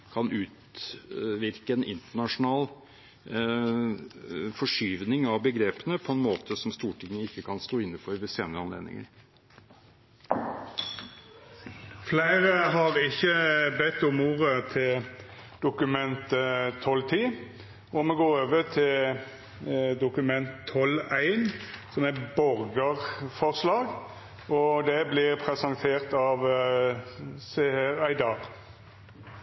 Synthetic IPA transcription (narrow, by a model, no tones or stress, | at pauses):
kʰɑnʉːt̪ | ʋɪɾkəɛnɪ̰nt̪əɳɑʂʊnɑːl | fɔʂyːʋnɪŋɑʋbəɡɾeːpənəpʰɔɛnmoːt̪ʰəsɔmst̪uːʈʰɪŋːəɪkːəkʰɑnst̪oːɪnːəfɔɾʋɪseːnəɾəɑnlḛːd̪nɪ̰ŋə̰ɾ | flæɪʁəɦɑʁɪçːəbɛt̪ːʊmuːʁət̪ʰɪld̪̥ʊkʉmɛnt̪ət̪ʰːɔlt̪ʰiː | ɔmɛɡoːʁoːʋət̪ʰɪl | d̪ʊkʉmɛnt̪ʰːɔlæɪnsɔmæbɔʁɡəʁfɔʁslɑːɡ | ʔɔd̪ɛblɪʁpʰʁɛsɑnt̪ʰeːʁt̪ɑːʋ | seɛɾæɪd̪ɑʁ